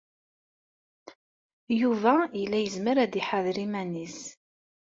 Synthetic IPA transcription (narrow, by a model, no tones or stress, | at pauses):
juvæjəlːæjəzməɾæd̪iħaðɾimænis